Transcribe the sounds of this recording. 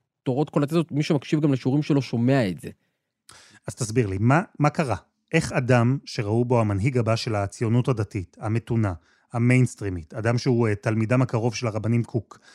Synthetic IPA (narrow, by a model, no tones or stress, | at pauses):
t̪oʁo̞tkolatezotmiʃemakʃivɡamleʃeuʁimʃelo̞ʃo̞me̞aetz̥e̞ | az̥t̪asbiʁlimamakaʁa | ʔe̞χadamʃe̞ʁaubo̞hamanɦiɡabaʃe̞laːt͡sijo̞nuthadatitame̞tuna | ame̞jnstʁimitadamʃeuetalmidamakaʁo̞vʃe̞laʁabanimkʰuk